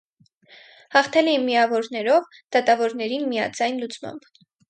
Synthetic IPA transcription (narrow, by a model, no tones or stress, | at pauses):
hɑχt̪ʰɛlɛinmijɑvɔɾnɛɾɔv | d̪̥ɑt̪ɑvɔɾnɛɾinmijɑ̰d͡zɑjnlut͡smɑ̰mb̥